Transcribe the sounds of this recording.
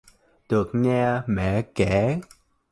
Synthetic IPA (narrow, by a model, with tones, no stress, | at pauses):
ɗ̪ɨ˨˩ək̚ɲaː˧mɛ̰˧˨kɛ˧˩˦